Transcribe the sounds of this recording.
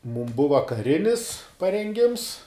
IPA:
muːm ˈbʊʋɐ kɐˈrʲɪnʲɪs pɐrʲɛŋʲˈɡʲɪms

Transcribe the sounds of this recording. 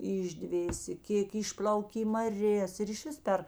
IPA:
ɪʒʲˈdʲʋʲeːsʲeː ˈkʲeːk ˈɪʃplˠɐʊkʲeː iː mɐˈrʲeːs ɪr ɪʃʲˈʋʲɪs pʲɛr

